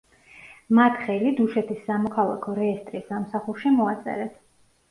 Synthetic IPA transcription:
mat̪ʰχɛlid̪uʃɛt̪ʰisːamɔkʰalˠa̰kʰɔɾɛːst̪ʼɾisːamsaχuɾʃimɔat̪sʼɛ̰ɾɛt

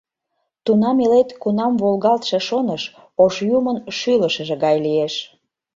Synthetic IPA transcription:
t̪unɑmelet̪kunɑmβolɣɑlt̪ʃĕʃonəʃ | oʃjumənʃyləʃəʒĕɣɑjlieʃ

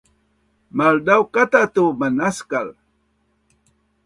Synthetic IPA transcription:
mald̪awkat̪at̪umanaskal

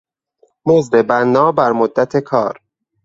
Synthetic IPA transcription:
mozd̪e̞bænːɒːbæɾmod̪ːæt̪ʰe̞kʰɒ̰ːɾ

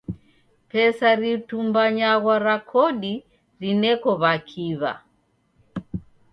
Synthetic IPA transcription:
pɛsaɾitumbaɲaɣwaɾakʰɔɗi | ɾinɛkɔβakʰiβa̰

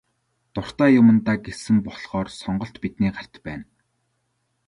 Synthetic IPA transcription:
t̪ʊr̥t̪aːjʊmə̆nt̪aːɡesɘ̆npɔɮχɔːrsɔɴɢɞ̆ɬt̪pit̪niːɢar̥ʲt̪pæːn

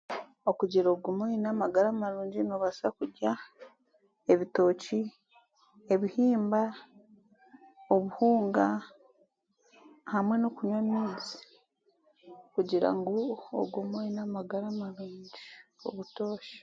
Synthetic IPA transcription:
o̞kuɟiɾoːɡumuinaːmaɡaɾamaɾuːɲɟinoːβasakuɟa | e̞βito̞ːci | eβihiːmba | oβuhuːŋɡa | hamwe̞no̞kuɲwamiːzi | kuɟiɾa̰ŋɡoo̰ɡumuinaːmaɡaɾamaɾuːɲɲɟio̞̰βuto̞ːʃḁ

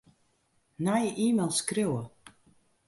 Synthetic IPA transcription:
najəʔiːmelˠskrewə

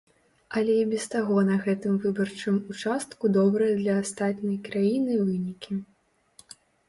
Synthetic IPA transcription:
ɐlʲɛibʲɛst̪aɣɔnɐɣɛt̪ɨmvɨbɐrt͡ʂɨmut͡ʂast̪kud̪ɔbɾɐjɐd̪lʲɐːst̪at̪nʲɐjkɾajinɨvɨnʲikʲi

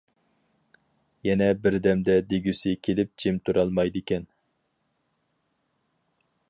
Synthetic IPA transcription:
jɛnɛbɪɾd̪ɛmd̪ɛd̪eɡʲysɪkʲʰelɪp̚d͡ʒʰemt̪ʰuɾɑlˠmɑjd̪ɪkʲɛn

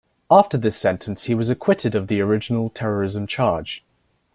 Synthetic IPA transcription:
ɑˑftə˞ðɪsɛ̃ntʰə̃nshiwɒzəkʰw̥ɪtɪdəvðiəɹɪd͡ʒənəlˠtʰɛɹəɹɪzə̃mt͡ʃʰɑːd̥d͡ʒ̥

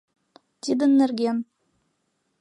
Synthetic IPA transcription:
t̪ʲid̪ɘ̆nːɘ̆rɡʲem

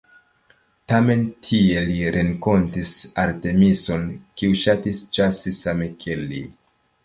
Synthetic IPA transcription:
tame̞ntʰie̞liɾʔeŋko̞ntisaɾte̞miso̞nkiuʃatisd͡ʒasesamekʰelːi

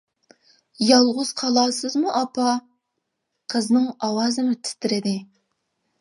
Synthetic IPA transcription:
jɑlˠʁʊz̥qʰɑlˠɑːsɨzmuʔɑpʰɑ | qʰəznɨŋɑwɑːzɨmɨt̪ʰɪ̥t̪ɪɾɪd̪ɪ

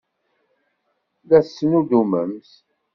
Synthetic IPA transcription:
ðæsːənuduməmθ

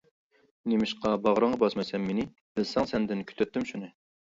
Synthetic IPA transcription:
nemɪʃqɑbɑʁɾɑɴʁɑbɑsmɛsɛmːenɪ | b̥ɪlsɛŋsɛnd̪ɪnkʲʰy̥t̪ʰøt̪ːymʃunɪ

